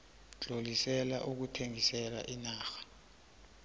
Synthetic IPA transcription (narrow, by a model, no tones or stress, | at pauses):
t͡ɬʼolisɛla̰ʔuk̬utʰeŋisɛla̰ʔinaːxḁ